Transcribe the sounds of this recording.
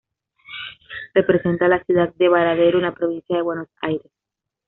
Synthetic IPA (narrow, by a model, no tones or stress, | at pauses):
re̞pɾe̞se̞nt̪alasjuðad̪̚d̪e̞βaɾaðeɾunapɾo̞βinsjaðe̞βwe̞no̞sa̰jɾe̞s